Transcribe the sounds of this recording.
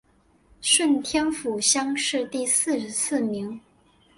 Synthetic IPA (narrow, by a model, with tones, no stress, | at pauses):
ʂwə˥˩nt̪ʰjɛ˥nfu˨˩ɕjɑ˥ŋʂɻ̩˥˧t̪i˥˧sɹ̩˥˧ʂ̩˧˥sʰɹ̩˥˩mi˧˥ŋ